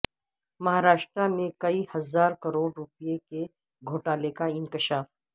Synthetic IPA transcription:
mɐɦaːɾaːʃt̪ɾamẽkɐihɐzaːɾkɐɾoːɖɾʊpijeke | ɡʱoːʈaːlekaɪ̃ŋkɪʃaːf

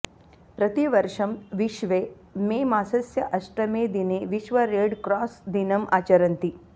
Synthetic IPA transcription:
pɾɐt̪iʋɐɾʂɐmʋiʃʋeː | meːmaːsɐsjɐʔɐʃʈɾɐmeːd̪ineːʋiʃʋɐɾeːɖkɾaːsd̪inɐma̰ːt͡ʃɐɾɐnt̪i

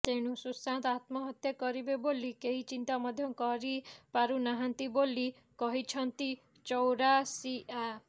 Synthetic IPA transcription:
t̪eɽ̃ũsusãnt̪at̪mɔɦɔt̪jɔkɔɾibebolikeɦit͡ʃint̪amɔd̪ʱjɔkɔɾipaɾunaɦant̪iboli | kɔɦit͡ʃʰɔnt̪i | t͡ʃɔwɾasiʔa

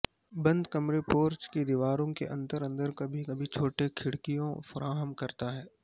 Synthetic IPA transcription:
bɐ̃nd̪kɐmɾepoːɾt͡ʃkid̪iʋaːɾõkḛʔɐ̃nt̪əɾə̃nd̪əɾkɐbʱikɐbʱit͡ʃʰoːʈekʰɪɽkijõfɐɾʔaːɦəmkɐɾt̪aɦɛː

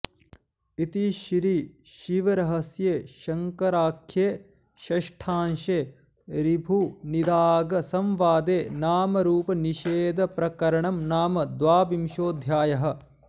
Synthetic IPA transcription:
it̪iʃɾiːʃiʋɐɾɐɦɐsjeːʃɐŋkɐɾaːkʰjeː | ʃɐʃʈʰaːnʃeː | ɾibʱunid̪aːɡɐsɐmʋaːd̪eːnaːmɐɾuːpɐniʃeːd̪ɐpɾɐkɐɾɐɳɐmnaːmɐd̪ʋaːbimʃoːd̪ʱjaːjɐɦɐ̆

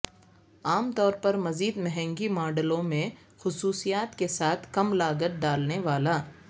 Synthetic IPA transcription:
aːmt̪ɔːɾpɐɾmɐziːd̪mɛɦɛ̃ŋɡimaːɖəlõmẽ | xʊsuːsijaːt̪kesaːt̪ʰkɐmlaːɡət̪̚ɖaːlneʋaːlaː

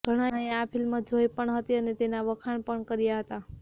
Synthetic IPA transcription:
ɡ̥ʱəɽ̃aeapʰilmãd͡ʒʱojpəɳɦət̪iənet̪enaʋəkʰaɳpəɳkəɾjaɦət̪a

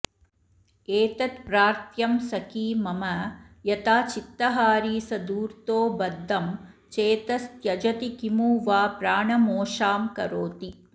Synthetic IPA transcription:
eːt̪ɐt̪pɾaːɾt̪jɐmsɐkiːmɐmɐ | jɐt̪aːt͡ʃit̪ːɐɦaːɾiːsɐd̪uːɾt̪oːbɐd̪ʱːɐm | t͡ʃeːt̪ɐst̪jɐd͡ʒɐt̪ikimuːʋaːpɾaːɳɐmoːʂaːmkɐɾoːt̪i

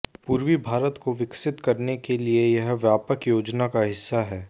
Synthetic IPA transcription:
puːɾʋibʱaːɾət̪koʋɪksɪt̪kɐɾnekeliejɐɦʋjaːpəkjoːd͡ʒnakaɦɪsːaɦɛː

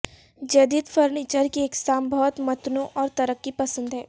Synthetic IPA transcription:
d͡ʒɐd̪iːd̪fəɾniːt͡ʃəɾkiːksaːmbʱɔːt̪mɐt̪nõʔɔːɾt̪ɐɾəkːipɐsə̃nd̪ɦɛː

